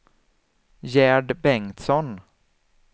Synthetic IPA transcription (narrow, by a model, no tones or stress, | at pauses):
jæːɖbɛŋt̪sɔn